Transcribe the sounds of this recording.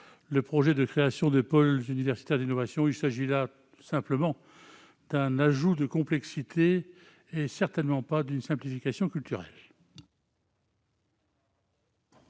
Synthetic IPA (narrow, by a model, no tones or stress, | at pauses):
ləpχɔʒɛd̪əkχeasjɔ̃d̪əpɔlzynivɛʁsit̪ɛʁd̪inɔvasjɔ̃ilsaʒila | sɛ̃pləmɑ̃ | d̪ɛ̃naʒud̪əkɔ̃plɛksit̪ʰeː | sɛʁt̪ɛnmɑ̃pad̪ynsɛ̃plifikasjɔ̃kʲylt̪yʁɛ̰l